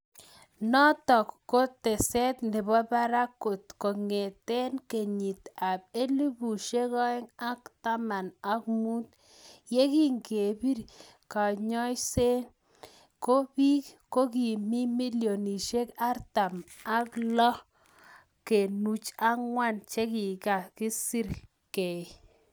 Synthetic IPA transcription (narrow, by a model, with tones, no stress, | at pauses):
nɔ˦t̪ɔ˨kːo˦t̪e˨sɛ˦t̪nɪ˨bɔ˦ba˦ɾa˦kːo˨t̪kɔ˨ŋe˨t̪e˦nke˨ɲi˨t̪a˨b̚e˦li˦bu˨ʃe˦kɔ˦ɛ˦ŋa˦kt̪a˦ma˨na˨kmu˦t̪ | je˦ki˦ŋɡe˨bi˦ɾ | ka˨ɲɔ˦jse˦n | ko˦bi˦kko˦ki˨mi˦mi˦ljo˨ni˨ʃe˦ka˦ɾt̪a˨ma˨klɔ˦ | ke˨nu˨t͡ʃa˦ŋwa˦˨nt͡ʃe˦ki˨ka˨ki˦si˦ɾ | ke˨